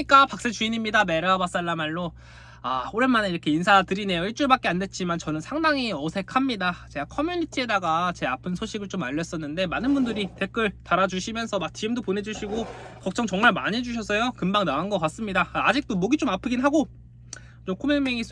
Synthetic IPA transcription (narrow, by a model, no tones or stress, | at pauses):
ik͈apak̚s͈et͡ɕuiɲimɲidame̞ɾaabas͈aɭːamaɭːo | aoɾemaneiɾʌkʰe̞insʰatɯɾine̞joiɭt͡ɕ͈uɭbak̚k͈e̞ande̞t͡ɕ͈ʰimant͡ɕʌnɯnsʰaŋdaŋiʌsʰe̞kʰamɲidat͡ɕe̞ɡakʰʌmjuɲitʰie̞daɡat͡ɕe̞apʰɯnsʰoɕʰiɡɯɭt͡ɕomaʎːʌs͈ʌnːɯnde̞manɯnbundɯɾite̞k͈ɯɭtaɾad͡ʑuɕʰimjʌnsʰʌmak̚t͡ɕiɯmdopone̞d͡ʑuɕʰiɡokʌk̚t͡ɕ͈ʌŋt͡ɕʌŋmaɭmaɲid͡ʑuɕ̬ʰʌs̬͈ʰʌjokɯmbaŋnaanɡʌk͈as͈ɯmɲidaːd͡ʑik̚t͈omʌɡit͡ɕ͈omapʰɯɡinɦaɡo | t͡ɕ͈omkʰomeŋmiŋis